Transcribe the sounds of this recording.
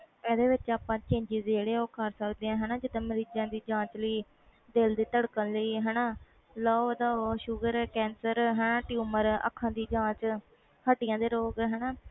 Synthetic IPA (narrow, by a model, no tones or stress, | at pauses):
ɛːd̪eːʋɪt͡ʃaːpãːt͡ʃẽːɲd͡ʒiːzd͡ʒeːɽeːoːkʰəɾsəkd̪eːãːɦɛːnaːd͡ʒɪt̪ə̃məɾiːd͡ʒãːd̪iːd͡ʒãːt͡ʃləiː | d̪eld̪iːt̪əɽkənləiːɦɛːnaː | laːod̪aːoʃʊɡəɾkɛːnsəɾɦɛːnaːʈjuːməɾə̰kʰːãːd̪iːd͡ʒãːt͡ʃ | həʈɪjãːd̪eːɾoːɡɦɛːnaː